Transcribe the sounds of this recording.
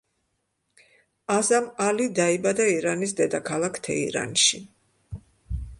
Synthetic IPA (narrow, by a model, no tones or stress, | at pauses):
azamalid̪aibad̪aiɾanis̬d̪ɛd̪akʰalˠakʰt̪ʰɛ̰ḭɾa̰nʃi